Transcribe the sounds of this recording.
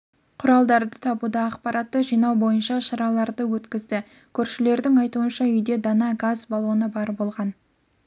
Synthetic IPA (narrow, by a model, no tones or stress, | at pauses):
qʰʊɾɑlˠd̪ɑɾd̪ət̪ʰɑbud̪ɑːqpɑɾʔɑt̪ːəʒijnɑwbo̞jənʃɑʃɑɾɑlˠɑɾd̪əwɵt̪kʲɪzd̪ɪ | kʲʰɵɾʃɪle̞ɾd̪ɪŋɑjt̪uənʃɑʏjd̪e̞d̪ɑnɑɡazbɑlˠuənəbɑɾbo̞lˠʁɑn